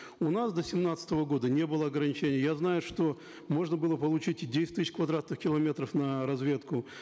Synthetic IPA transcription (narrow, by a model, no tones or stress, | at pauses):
ʊnasd̪əsʲɪmnat̪sə̥t̪əvəɡo̞d̪ənʲe̞bɨlˠəɐɡɾənʲɪt͡ɕenʲɪjəjaznajʊʂt̪o | mo̞ʐnəbɨlˠəpəlˠʊt͡ɕitʲdʲesʲɪ̥tʲt̪ɨsʲɪt͡ɕkvɐd̪ɾat̪nɨxkʲɪlˠɐmʲe̞t̪ɾəfnəɾɐzvʲe̞t̪kʊ